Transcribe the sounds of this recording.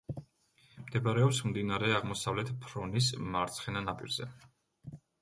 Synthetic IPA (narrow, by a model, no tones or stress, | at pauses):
md̪ɛbaɾɛɔpsmd̪inaɾɛaʁmɔsavlɛt̪ʰpʰɾɔnismaɾt̪sʰχɛnanapʼḭɾz̥ɛ̰